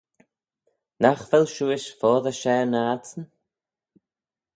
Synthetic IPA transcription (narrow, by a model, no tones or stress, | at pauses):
naxvɛlʃuːɪʃfɔːðəʃɛːnaːtən